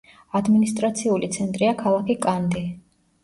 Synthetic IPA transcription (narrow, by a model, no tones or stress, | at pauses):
ad̪minist̪ʼɾat̪sʰiulit̪sʰɛnt̪ʼɾiakʰalˠakʰikʼand̪i